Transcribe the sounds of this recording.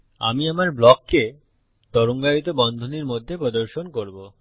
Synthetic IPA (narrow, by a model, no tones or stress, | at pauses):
a̰miamaɾblɔkːe | t̪ɔɾoŋɡaɾit̪̬obɔnd̪ʱoniɾmod̪ʱːepɾod̪oɾʃonkoɾbo